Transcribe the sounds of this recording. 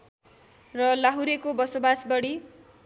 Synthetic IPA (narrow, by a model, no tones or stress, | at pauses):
rʌlaɦuɾekobʌsobasbʌɽi